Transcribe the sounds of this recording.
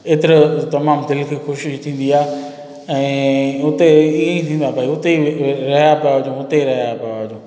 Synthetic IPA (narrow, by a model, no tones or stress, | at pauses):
eːt̪ɪɾt̪ɐmaːmd̪ɪlkʰexoːʃt̪ʰĩːn̆d̪iaːe | ɛ̃ːʊt̪eiːẽĩt̪ʰĩːn̆d̪aːbʱaːiʊt̪eiɾɐɦjapɐjaɦɐd͡ʑõʊt̪eɾɐɦjapɐjaʋɐd͡ʑõː